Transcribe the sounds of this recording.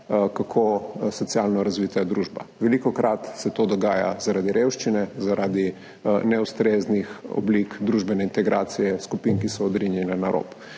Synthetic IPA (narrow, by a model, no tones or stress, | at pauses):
kakʰosɔt̪sjalnɔɾazʋiːt̪ad̪ɾuʒba̰ʋɛlikɔkɾʔat̪sɛt̪od̪ɔɡaːja̰zaɾad̪iɾewʃt͡ʃinɛzaɾʔaːd̪i | nɛust̪ɾeznixɔ̰blikd̪ɾuʒbɛnɛint̪ɛɡɾaːt̪sijɛskupinkisɔːd̪ɾinjɛnanaɾʔo̰ːp